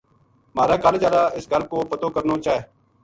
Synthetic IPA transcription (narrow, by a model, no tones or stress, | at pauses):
maːɾaːkəɾd͡ʒjaːd̪aːɪsɡəlkoːpət̪oːkəɾnoːt͡ʃaːɦeː